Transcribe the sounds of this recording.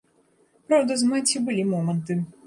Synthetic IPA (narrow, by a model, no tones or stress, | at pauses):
pɾawd̪ɐzmɛtʲibʊlʲimɔmɛnt̪ɨ